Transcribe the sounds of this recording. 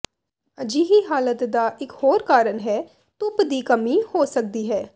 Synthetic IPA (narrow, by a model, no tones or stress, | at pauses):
əd͡ʒiːɦiːɦaːlət̪d̪aːʔɪkhoːɾkaːɾənɦɛː | t̪ʊpd̪iːkəmiːhoːsək̚d̪iːɦɛː